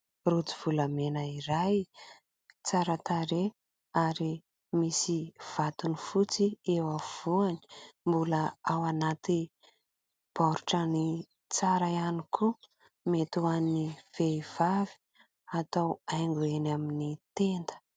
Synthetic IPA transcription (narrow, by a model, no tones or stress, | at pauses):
rut͡si̥v̥ulamenəiɾaj | t͡saɾat̪aɾe | aɾi | misiv̥at̪unifut͡siewav̥uani̥mbuləawanat̪i | b̥ɔɾuʈ͡ʂəni | t͡saɾaanikʰu | met̪uaniv̥eiv̥avi̥ | at̪awajŋɡuenaminit̪end̪ə̥